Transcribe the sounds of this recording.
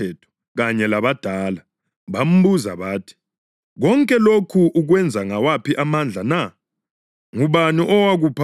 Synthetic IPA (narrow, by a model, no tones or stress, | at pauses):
ɛːtʰɔ̥ | ɣaɲɛlaβad̥ʱaːla | βam̩buza̰βaːtʰi̥ | ɣɔŋkʼɛlokʰuʔːɣwɛnd͡zʱaŋawapʰiʔamand͡ɮʱana | ŋuβaniʔɔwaɣuːpʰa